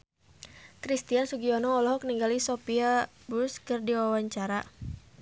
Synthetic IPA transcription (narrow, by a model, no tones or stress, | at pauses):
kɾist̪iansuɡiɔnɔːlɔɦɔkniŋɡalisɔpia | buskɨrdiwawaɲt͡ʃaɾa